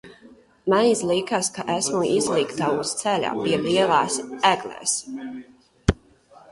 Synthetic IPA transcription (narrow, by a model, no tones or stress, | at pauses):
manizlˠikaskaʔæsmuizlˠikt̪aust̪sɛlʲa̰ːpiɛviɛlˠaːsæɡlɛ̰ːs